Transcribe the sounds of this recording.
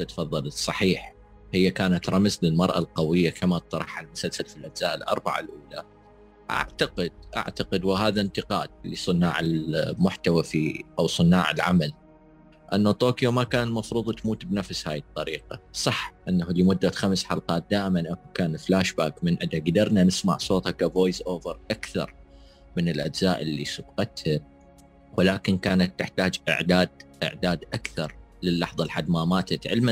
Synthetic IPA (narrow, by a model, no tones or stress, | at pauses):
t̪at̪fɑðˤːɑlsˤɑħiːħ | hɪjːakaːnat̪ɾˤɑmzlɪlmɑɾˤʔa̰lqawɪjːakʰamat̪ːˤɑɾˤɑħalmʊsalsalfilʔad͡ʒzaːʔɪlʔɑ̰ɾˤbaʕa̰lʔuːla̰ | ʔa̰ʕt̪aqɪd̪̥̚ʔa̰ʕt̪aqɪd̪wɪɦaːðant̪ɪqɑ̰ːd̪̥̚lisˤɨnːa̰ːʕɪlmʊħt̪awafiʔawsˤɨnːa̰ːʕɪ̰lʕa̰mal | ʔanːot̪oːkjomakaːnlmɑfɾuːðˤt̪muːt̪bnafshaːjɪt̪ˤːɑɾiːqasˤɑħʔɪnːahlimʊd̪ːat̪xamsħɑlqɑːt̪̚d̪aːʔɪmanʔakukaːnflaːʃbaːkmɪnʔad̪aɡd̪ɑɾˤnanɪsma̰ʕsˤoːt̪ˤhakavoːjsʔoːvɪɾˤʔakθɑ̰ɾˤ | mɪnɪlʔad͡ʒzaːʔɪlːisʊb̚qɑt̪ha | wɪlaːkɪnkaːnat̪ːɪħt̪aːd͡ʒʔɪ̰ʕd̪aːd̪̚ʔɪ̰ʕd̪aːd̪ʔakθɑɾˤ | lɪlːɑħðˤɑlħad̪mamaːt̪at̪ʕɪ̰lma